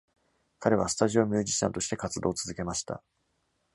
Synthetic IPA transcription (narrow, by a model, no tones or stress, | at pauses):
kaɾe̞β̞asɨ̥t̪aʑio̞mʲɨːʑiɕã̰nt̪o̞ɕi̥t̪e̞kat͡sɨd̪o̞ːt͡sɨzɨke̞maɕi̥t̪a̰